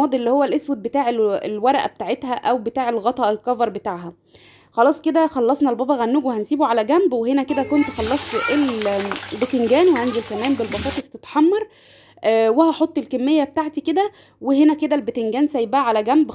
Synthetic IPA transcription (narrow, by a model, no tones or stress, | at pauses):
ɑːd̪ˤʔlːiːhowːælʔeswed̪̚bet̪aːʕelelwæɾˤæʔæbet̪aʕet̪hæʔæwbet̪aːʕelɣɑt̪ˤɑʔelkːɑvɑɾˤbet̪aːʕɦæ | xɑlɑːsˤked̪æxɑlːɑsˤnɑlbɑːbɑɣænːuːɡwehænsiːbuʕalæɡæmbwehenæked̪ækont̪xɑlːɑsˤt̪ʔeld̪okeŋɡæːnweʕand̪ilkæmæːmbelbɑfɑːt̪ˤest̪et̪ħɑmːɑɾˤ | ʔːwehæħot̪ˤːelkemːejːæbet̪aːʕt̪iked̪æ | weɦenæked̪ælbet̪eŋɡæːnsæjbæʕalæɡæmb